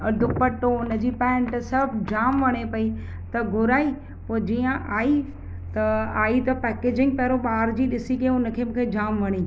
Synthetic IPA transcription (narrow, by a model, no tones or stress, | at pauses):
ɐd̪ʱʊpɐʈːoʊnəd͡ʑiːpɛ̃ːɳʈsɐbʱd͡ʑaːmʋɐɽ̃epɐi | t̪ɐɡʱʊɾaːi | poːd͡ʑiːə̃ʔaːi | t̪ɐaːit̪ɐpɛːkeːd͡ʑɪ̃ŋɡ̚pɛɦɾoɓaːɾd͡ʑiːɗɪsikɐeʊnə̆kʰemũːkʰed͡ʑaːmʋɐɽ̃iː